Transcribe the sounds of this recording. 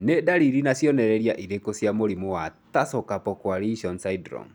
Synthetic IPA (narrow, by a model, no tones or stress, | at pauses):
nedaɾiɾinasjɔnɛɾɛɾjaʔiɾekosjamoɾimuwatasɔkapɔkwaɾiʃɔnsaidɾɔ̰ŋ